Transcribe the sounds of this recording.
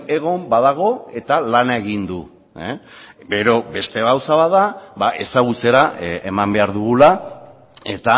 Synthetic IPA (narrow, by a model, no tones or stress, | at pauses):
e̞ɣ̞o̞mbaðaɣ̞o̞e̞t̪alanae̞ɣind̪u | e | ɡe̞ɾo̞be̞st̪e̞ɣawsaβaðaβaʔe̞saɣut͡se̞ɾae̞mambe̞aɾðuɣula | e̞t̪a